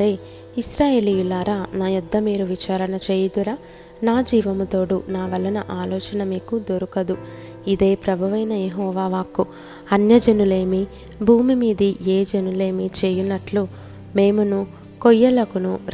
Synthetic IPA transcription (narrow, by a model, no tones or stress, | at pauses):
ɾeː | iʃɾaːjeːlijulaːɾaːnaːjud̪ːɐmiːɾuʋit͡ʃaːɾɐnɐt͡ʃeːjɐd̪uɾa | naːd͡ʒiːʋɐmut̪o̞ːɽunaːʋɐlːɐnɐʔaːlɔːt͡ʃɐnɐmiːkud̪oɾukɐd̪u | id̪e̞ːpɾɐbʱɐʋɐjnɐjeɦɔːʋaːʋaːku | ɐnjɐd͡ʒɐnule̞ːmi | bʱuːmimiːd̪iʔe̞ːd͡ʒenule̞ːmit͡ʃe̞ːjunːɐʈlu | me̞ːmunu | kojːɐlɐkunu